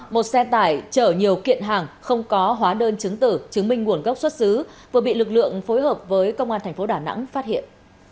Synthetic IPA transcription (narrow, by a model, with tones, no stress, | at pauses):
mo˨˩t̚sɛ˧t̪aː˧˩jt͡ɕəː˧˩ɲi˨˩əwkḭ˧˨ənɦaː˨˩ŋxə˧wŋ͡mkɔ˨˦ɦwaː˨˦ɗəː˧nt͡ɕɨ˨˦ŋt̪ɨ̰˧˩t͡ɕɨ˨˦ŋmï˧ŋ̟ŋu˧˩ənɣə˦˥wk͡p̚swə˦˥t̚sɨ˨˦vɨ˨˩ɓḭ˧˨lɨ˨˩k̚lɨ̰˧˨əŋfo˨˦jɦəː˨˩p̚vəː˨˦jkə˧wŋ͡mʔaː˧nt̪ʰɛ˨˩ŋ̟fo˨˦ɗaː˧˩na̰˧˥ŋfaː˦˥t̚hḭ˧˨ən